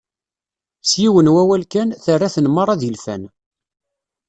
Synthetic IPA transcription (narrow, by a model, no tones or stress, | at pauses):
sjiwənwæwælkænθərːæθənməɾˤɑðilfæ̰n